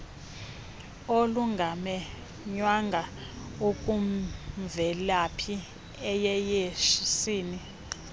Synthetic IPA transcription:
oluŋɡʱamɛ | ɲwaŋɡʱa | ukʼumvɛlapʰi | ɛjɛjeʃisiːni

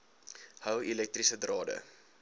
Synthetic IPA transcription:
həwilɛk̚trisədrɑːdə̰

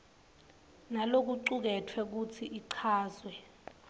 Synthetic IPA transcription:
nalok̬uǀuk̬ɛtʰwɛk̬ut͡sʰiʔiǀʰaːzwɛ

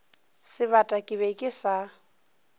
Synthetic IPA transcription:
sɪβatʼakʼɪβɛkʼɪsa

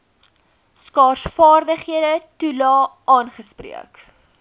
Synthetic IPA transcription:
skɑːrsfɑːrdəχɦiədətulɑː | ɑːnχəsprḭək

